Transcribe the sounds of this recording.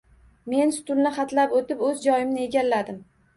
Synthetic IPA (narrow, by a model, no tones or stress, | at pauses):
me̞nsʊ̥t̪ʊlnɪχɑt̪lapot̪ɪpɵzd͡ʒɒjɪmnɪe̞ɡʲalːad̪ɪm